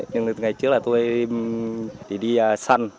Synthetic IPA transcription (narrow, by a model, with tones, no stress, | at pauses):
ɲɨ˧ŋ˧˨ŋa˨˩jt͡ɕɨ˦˥əklaː˨˩t̪o˧j | ɗi˧˩ɗi˧˨sa˧n